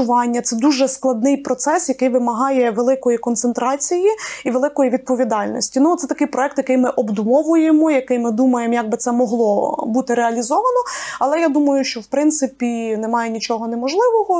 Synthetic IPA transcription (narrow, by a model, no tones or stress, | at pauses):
ʊʋɑnʲːɐt̪sɛd̪uʒɛsklˠɐd̪nɪjpɾɔt̪sɛsjɐkɪjʋɪmɐɦɑjɛʋelˠɪkɔjikɔnt̪sent̪ɾɑt͡sʲijiiʋelˠɪkɔjiʋʲid̪̚pɔʋʲid̪ɑlʲnɔ̰sʲtʲinut̪sɛt̪ɐkɪjpɾɔɛk̚t̪jɐkɪjmɪʔɔbd̪ʊmɔʋʊjemɔjɐkɪjmɪd̪umɐjemjɐɡ̚bɪt̪ɛmɔɦlˠɔbut̪ɪɾeɐlʲizɔʋɐnɔɐlˠɛjad̪umɐjʊʃt͡ʃɔwpɾɪnt̪sɪpʲinɛmɑjenʲit͡ʃɔɦɔnɛmɔʒlˠɪʋɔɦɔ